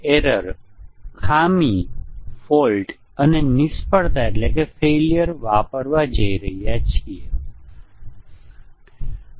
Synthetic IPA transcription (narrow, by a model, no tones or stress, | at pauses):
eɾəɾkʰamifolʈ | ənenɪspəɽt̪aeʈlekefeljəɾʋapəɾʋad͡ʒəiɾəɦijat͡ʃʰie